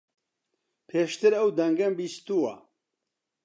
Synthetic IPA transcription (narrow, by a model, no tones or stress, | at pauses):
pʰeːʃt̪ɨɾɐwd̪ɐŋɡɐmbist̪uwɐ